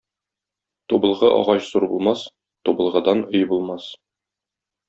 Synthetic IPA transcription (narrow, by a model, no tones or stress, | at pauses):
t̪ubɤ̆lˠʁɤʔɒ̰ʁɑɕzuɾbulˠmɑs | t̪ubɤ̆lˠʁɤ̆d̪ɑnojbulˠmɑs